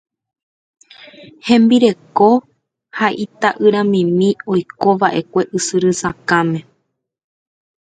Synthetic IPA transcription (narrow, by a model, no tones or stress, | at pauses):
hẽ̞mbiɾe̞ko̞ | haʔit̪aʔɨɾãmĩmĩo̞jko̞ʋaʔe̞kʷe̞ʔɨsɨɾɨsakamẽ̞